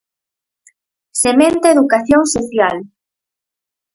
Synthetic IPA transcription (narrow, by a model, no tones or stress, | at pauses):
semẽnt̪eeðukaθjoŋsoθjal